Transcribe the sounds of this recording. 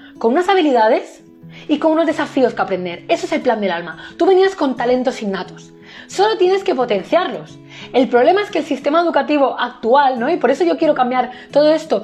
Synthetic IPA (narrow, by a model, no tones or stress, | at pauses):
konunasaβ̞iliðað̞e̞s | iko̞nuno̞zðe̞safio̞skeapɾe̞nd̪e̞ɾe̞soese̞lpland̪elalmat̪uβe̞niasko̞nt̪ale̞nt̪osinnat̪os | so̞lo̞t̪je̞ne̞ske̞po̞t̪ẽ̞n̟θjaɾlo̞s | e̞lpɾoβle̞maeske̞lsist̪e̞maeðukat̪iβ̞o̞ʔak̚t̪ualno̞ipo̞ɾe̞so̞ʝo̞kje̞ɾokambjaɾt̪o̞ð̞o̞e̞st̪o̞